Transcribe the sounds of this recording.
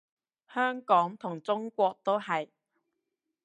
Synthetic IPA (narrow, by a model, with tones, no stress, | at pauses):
hœː˥ŋkɔː˨˥ŋt̪ʰʊ˨˩ŋt͡sʊ˥ŋkʷɔː˧k̚t̪o˥whɐ˨j